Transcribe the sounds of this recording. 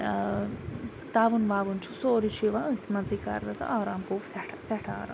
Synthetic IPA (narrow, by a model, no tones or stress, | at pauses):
t̪aːʋunʋaːʋunt͡ʃʰusoːɾit͡ʃʰiʋaət̪ʰmɐnzika̰ːɾd̪ɐt̪ɐ̰ʔaːɾaːmkoːfsɛʈʰasɛʈʰaa̰ːɾa̰ː